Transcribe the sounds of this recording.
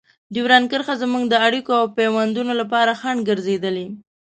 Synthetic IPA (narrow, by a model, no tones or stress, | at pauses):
d̪iwɾɑnkəɾxazəmuŋɡd̪əaɽikoawpewand̪unolapɑɾaxaɳɡəɾzed̪əle